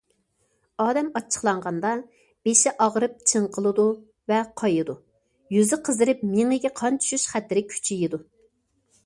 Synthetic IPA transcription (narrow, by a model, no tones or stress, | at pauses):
ɑːd̪ɛmɑt͡ʃʰːə̥χlˠɑɴʁɑnd̪ɑ | b̥eʃɛʔɑʁɾɨp̚t͡ʃʰɨɴqʰəlˠɨd̪u | vɛqʰɑjɨd̪u | jyzɪqʰəzɨɾɨpmeŋɨɡʲɛqʰɑnt͡ʃ̪ʰy̥ʃyʃχæt̪ːɪɾɪkʲʰy̥t͡ʃʰijid̪u